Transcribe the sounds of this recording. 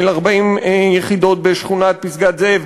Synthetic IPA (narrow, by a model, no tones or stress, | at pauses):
elaʁbaimjeχid̪o̞t̪̚beʃχunat̪̚pisɡat̪zev